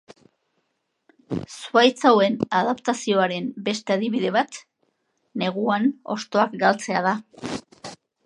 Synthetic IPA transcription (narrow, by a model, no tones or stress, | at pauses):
suajt͡sawe̞naðapt̪asio̞aɾe̞mbe̞st̪e̞aðiβiðe̞βat̪ | ne̞ɣ̞uano̞̰st̪o̞akɡalt͡se̞að̞a